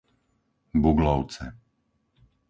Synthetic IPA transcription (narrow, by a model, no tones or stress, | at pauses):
buɡlɔʊt͡sɛ̰